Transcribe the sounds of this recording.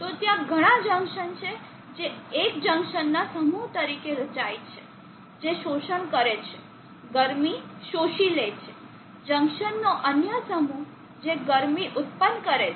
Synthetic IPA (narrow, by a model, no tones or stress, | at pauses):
t̪ot̪jãɡʱəɽ̃ãd͡ʒə̃ŋkʃənt͡ʃʰe | d͡ʒeːkd͡ʒə̃ŋkʃənːasəmuɦt̪əɾikeɾət͡ʃajt͡ʃʰe | d͡ʒeʃoʃəɳkəɾet͡ʃʰe | ɡəɾmiʃoʃilet͡ʃʰe | d͡ʒə̃ŋkʃənːoʔənjəsəmu | d͡ʒeɡəɾmiʔʊt̪̚pənkəɾe